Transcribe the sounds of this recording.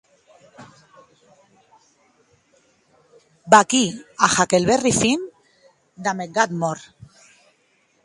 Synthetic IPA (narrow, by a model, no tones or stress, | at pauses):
bakiaxakelβerifin | d̪ameɡat̪moɾ